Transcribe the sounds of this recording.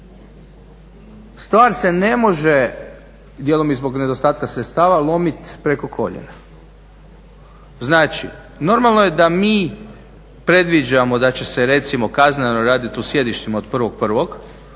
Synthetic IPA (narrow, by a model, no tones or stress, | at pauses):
st̪ʋaːɾse̞ne̞mo̞ʒe̞ | d̪jelomizbo̞ɡne̞d̪ost̪aːt̪kasɾet̪st̪aːʋalˠo̞mit̪pɾe̞ko̞kʰo̞̰ʎḛna | znaːt͡ʃḭ | no̞ɾmalˠnojed̪amiː | pɾe̞d̪ʋid͡ʒamo̞d̪at͡ɕe̞seɾe̞t̪simo̞kaznenoɾaːd̪it̪usje̞d̪iʃt̪imao̞d̪pr̩ʋo̞ɡ̚pr̩ʋo̞ɡ